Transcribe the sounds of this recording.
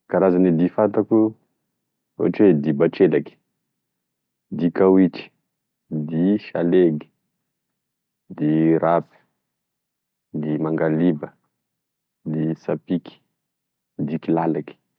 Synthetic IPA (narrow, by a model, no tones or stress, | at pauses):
kaɾazanid̪ifant̪aku | ṵaʈ͡ʂwed̪ibaʈ͡ʂelaki̥ | d̪ikawiʈ͡ʂi̥ | d̪iʃaleɡi̥ | d̪iɾapi̥ | d̪imaŋɡalibə | d̪isapiki̥ | d̪ikilalaki̥